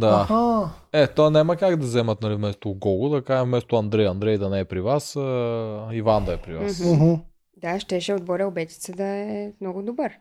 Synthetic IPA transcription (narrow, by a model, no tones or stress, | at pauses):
d̪aha | ɛt̪oanɛmɐkaɡd̪ɐzɛmɐt̪̚nɐlivmɛst̪oɡɔɡʊd̪ɐkaʒɛvmɛst̪oɐnd̪ɾɛjɐnd̪ɾɛjd̪ɐnɛɛpɾivasəivand̪ɐɛpɾivasɦ̩ | d̪aʃt̪ɛʃɛod̪bɔɾʲəobɛt̪i̥t̪səd̪ɐɛɛmnɔɡʊd̪obəɾ